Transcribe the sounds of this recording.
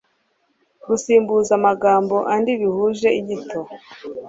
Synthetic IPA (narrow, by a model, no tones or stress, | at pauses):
ɡusiːmbuzamaɡaːmbo̞ʔandiβihuːʒe̞iɟitʰo